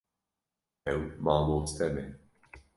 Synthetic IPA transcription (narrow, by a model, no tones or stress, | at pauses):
ɛwmaːmɔːt̪t̪ɛmɛ